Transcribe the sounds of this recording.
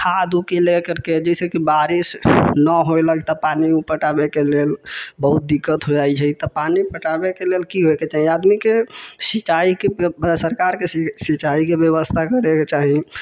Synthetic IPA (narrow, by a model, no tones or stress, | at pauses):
kʰad̪ukelekəɾked͡ʒɛsekibaɾisnəɦoeləɡt̪ɔpanipəʈabekelelbəɦut̪̚d̪ikːət̪ɦod͡ʒajt͡ʃʰəit̪ɔpanipəʈabekelelkiɦoeket͡ʃaɦĩad̪mikesit͡ʃaikesəɾkaɾkesit͡ʃaikebjəβəst̪ʰakəɾeket͡ʃaɦĩ